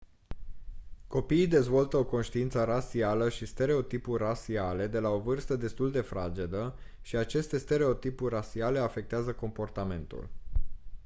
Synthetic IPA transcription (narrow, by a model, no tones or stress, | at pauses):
ko̞piːd̪e̞zvo̞lt̪əo̞ko̞nʃt̪iint̪səɾasialəʃist̪e̞ɾe̞o̞t̪ipurʲrasiale̞d̪e̞lao̞vɨrst̪əd̪e̞st̪uld̪e̞fɾa̰d͡ʒe̞d̪ə | ʃiat͡ʃe̞st̪e̞st̪e̞ɾe̞o̞t̪ipurʲrasiale̞afe̞k̚t̪eazəko̞mpo̞rt̪ame̞nt̪ṵl